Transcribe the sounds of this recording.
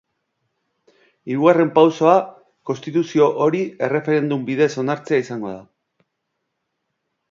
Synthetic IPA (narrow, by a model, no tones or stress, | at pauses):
iɾuɣ̞are̞mpawso̞a | kost̪it̪usio̞ʔo̞ɾie̞re̞fe̞ɾe̞nd̪umbiðe̞so̞naɾt͡se̞aisaŋɡo̞̰ð̞a